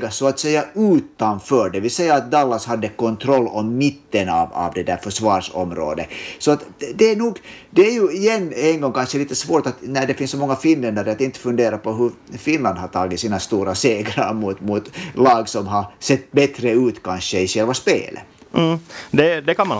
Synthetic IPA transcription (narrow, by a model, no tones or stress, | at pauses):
ɡasɔat̪sɛjːaʉːt̪anfœːɖɛvɪlsɛjːaat̪̚d̪ɑlːashad̪ːəkɔnt̪ʰɾɔlːɔmːɪt̪ːənɑ̰vɑ̰vd̪ɛd̪æɾfœʂvɑːɾʂɔ̰mɾo̰ːd̪əsɔat̪d̪ɛæɳuːɡd̪ɛæɾjɵɪjɛnːɛnɡɔŋːkʰanʂəliːt̪əsvoːɾʈat̪næɖɛfɪnsːɔmɔŋːafɪnlɛnd̪aɾəat̪ɪnt̪ːə̥fɵnd̪eːɾapɔɦɵɾfɪnland̪hat̪ʰɑːɡɪt̪siːnast̪uːɾaseːɡɾa̰ɾmut̪mut̪lɑːɡsɔmɦasɛt̪ːbɛt̪ɾəʉːt̪kʰanʂəɪɕɛlvaspḛːlʔə̰ː | d̪ɛd̪ɛkanm